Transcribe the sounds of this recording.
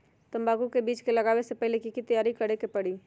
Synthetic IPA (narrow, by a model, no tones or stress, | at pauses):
t̪ɐ̃mbaːɡukebiːt͡ʃkelɐɡaːwesepɛɦlekikit̪ɐjaːɾikɐɾekepɐɽiː